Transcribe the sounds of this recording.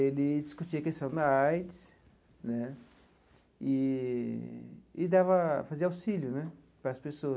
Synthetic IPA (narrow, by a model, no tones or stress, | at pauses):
elɪd͡ʒiskut͡ʃiɐkest̪ɐ̃w̃d̪ɐajd̪ɪs | nɛ | ɪ | ɪd̪avɐfaziɐawsiljʊnɛ | pɾɐːspesoɐ